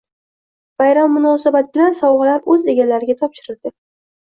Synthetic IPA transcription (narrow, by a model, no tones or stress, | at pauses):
v̥ajɾamːʊnɒsabat̪bɪlansɒwʁɨlaɾɵze̞ɡʲalaɾɪɡʲat̪ʰɒpʃɪɾɪd̪ɪ